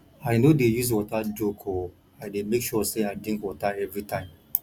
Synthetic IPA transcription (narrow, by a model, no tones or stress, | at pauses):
aɪnodejuz̬wɔtad͡ʒokʰo | aɪdemekʃɔseaɪdɹĩŋkwɔtaɛvɹitãɪ̃m